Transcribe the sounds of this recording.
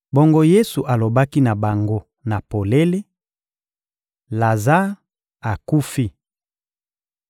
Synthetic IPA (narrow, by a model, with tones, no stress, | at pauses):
bo˦ŋɡo˦je˦su˨ʔa˨lo˨ba˦ki˦na˨ba˨ŋɡo˦ | na˨po˨le˦le˦ | la˨za˦ | a˨ku˦fi˦